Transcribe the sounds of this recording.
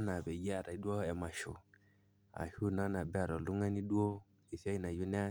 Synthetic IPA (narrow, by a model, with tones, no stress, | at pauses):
na˨bɛ˨ji˦a˨ɾa˨i˦du˦o˦ɛ˨ma˨ʃṵ˨ | a̰˨hu˦˨na˦na˨ba˨ɾɔ˨lu˦ŋa˦ni˦du˦o˦ | i˨sa˦ji˦na˨ju˦nɛ˦